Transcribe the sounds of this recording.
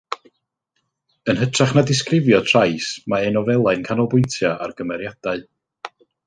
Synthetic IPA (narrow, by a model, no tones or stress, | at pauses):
ənɦətʰraχnadɪs̬krɪvjɔtʰrajsmaɛnɔvɛlˠaɨnkʰanɔlˠbʊɨntʰjaʔa̰rɡəmɛɾjad̥aɨ